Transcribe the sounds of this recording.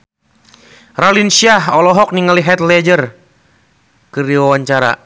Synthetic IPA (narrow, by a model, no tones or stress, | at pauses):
ralinsiaɦɔlɔɦɔk̚niŋaliɦɛt̪lɛd͡ʒər | kɨɾiwawaɲt͡ʃaɾa̰